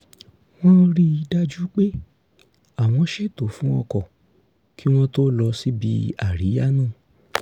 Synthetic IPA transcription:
w̃ɔ̃˦ɾi˦i˧da˦˧d͡ʒu˦k͡pe˦ | a˦˨w̃ɔ̃˧ʃe˦˨to˨˦fũ˦ɔ˧kɔ˨ | ki˦w̃ɔ̃˦to˦lɔ˧si˦bi˧a˦˨ɾi˨˦ja˦nũː˦˨

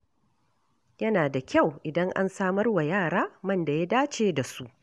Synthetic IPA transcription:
jɐ˦naː˨da˨kʲa˦˨wʔɪ˨dɐ˦ŋʔa̰˦nsaː˦mɐ˦rwa˨jaː˦˨ɽaː˦mɐ˦˨nda˨ja˦daː˦t͡ʃeː˦da˨su˦ʔ

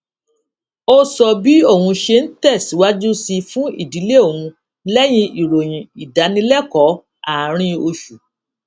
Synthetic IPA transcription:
o˦sɔ˨˧bi˨˦o˦˨wũ˧ʃe˧n̩˦tɛ˦˨si˨˦wa˦d͡ʒu˦si˧fũ˦ḭ˦˨di˨˦le˦o˦˨wũ˧ | lɛ˦j̃ĩ˧i˨ɾo˨j̃ĩ˨i˨da˨˦nĩ˧lɛ˦˨kɔ˨˦ | a˦˨˦ɾ̃ĩ˧o˧ʃu˨

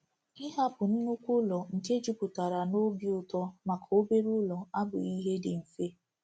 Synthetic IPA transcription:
ɪ˦ɦa˦pʊ˨n̩˦nu˦kʷu˦lɔ˨ŋ̩˨ke˦d͡ʒu˦pʊ˨ta˨ɾa˨no˦bi˦ʊ˦˨tɔ˦ma˨kʰa˨o˦be˦ɾʊ˦lɔ˨a˦bʊ̰˨i˦ɦe˦dɪ˨n̩˨se˦

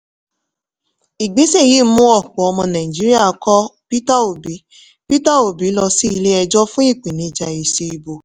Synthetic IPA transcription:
i˨ɡ͡be˨˦se˦˨ji˦mũ˦ɔ˦˨k͡pɔ˨ɔ˧mɔ̃˧nã˨ĩ˨d͡ʒi˦ɾi˦a˦˨˦kɔ˦pi˦ta˦˨o˨bi˨˦ | pi˦ta˦˨o˨bi˨˦lɔ˧si˦i˧le˦ɛ˧d͡ʒɔ˦fũ˦i˦˨k͡pe˨nĩ˨˦d͡ʒa˧i˨se˧i˧bo˨

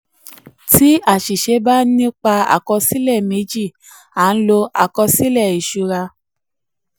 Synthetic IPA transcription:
ti˦a˦˨ʃi˨ʃe˨˦ba˦nĩ˦k͡pa˧a̰˨kɔ˧si˦lɛ˦˨me˨˦d͡ʒi˦˨ | a˨˦n̩˦lo˧a˨kɔ˧si˦lɛ˦˨i˨ʃu˨˧ɾa˧

